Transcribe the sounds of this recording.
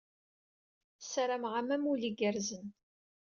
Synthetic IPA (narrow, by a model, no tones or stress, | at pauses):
saɾamʁamæmuliɡəɾzən